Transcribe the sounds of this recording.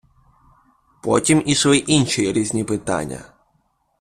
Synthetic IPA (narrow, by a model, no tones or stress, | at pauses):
pɔtʲimisʋɔjiʔinʃijiɾʲizʲnʲipɪt̪a̰nʲːɐ̰